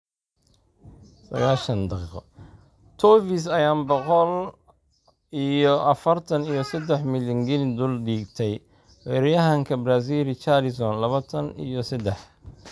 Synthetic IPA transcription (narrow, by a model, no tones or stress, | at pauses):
sɐ̰ɣaːʃɐnd̪ɑqiːqɔ̰ | t̪ʰɔfis̬ɐjaːmbɔqɔl | ijɔʔɐfɐrt̪ʰɐnijɞsɐd̪ɛħmɪljɐŋɡɪnɪd̪ʊlɖiːɡt̪ʰɛj | wɛɾɛjɐɦɐŋkʰɐbraːs̬iːlɪt͡ʃalɪsɔnlɐβɐt̪ʰɐnḭjɔsɐd̪ɛħ